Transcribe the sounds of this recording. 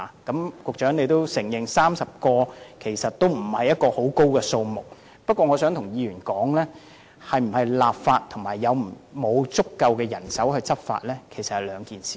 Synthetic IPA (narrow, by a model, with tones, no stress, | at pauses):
kɐ˨˥mkʊ˨k̚t͡ʃœː˨˥ŋne˨˧jt̪o˥wsɪ˨˩ŋjɪ˨ŋsaː˥msɐ˨p̚kɔː˧kʰe˨˩jsɐ˨t̚t̪o˥wm̩˨˩hɐ˨jɐ˥t̚kɔː˧ho˨˥wko˥wkɛː˧so˧wmʊ˨k̚ | pɐ˥t̚kʷɔː˧ŋɔː˨˧sœː˨˥ŋt̪ʰʊ˨˩ŋjiː˧ɥyː˨˩nkɔː˨˥ŋlɛː˥ | hɐ˨jm̩˨˩hɐ˨jlaː˨p̚faː˧t̚t̪ʰʊ˨˩ŋmaː˨˩jːɐ˨˧wm̩˨˩mo˨˧wt͡sʊ˥kːɐ˧wkɛː˧jɐ˨˩nsɐ˨˥whɵ˧jt͡sɐ˥p̚fa̰ː˧t̚lɛː˥kʰe˨˩jsɐ˨t̚hɐ˨˩jlœː˨˧ŋkiː˨nsiː˨